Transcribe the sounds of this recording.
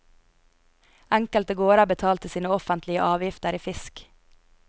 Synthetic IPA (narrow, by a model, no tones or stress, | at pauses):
ʔæŋkəlt̪əɡoːɾɑbət̪ʰɑːlt̪əsiːnəɔfənt̪lɪəʔɑːʋjɪft̪əɾiːfɪsk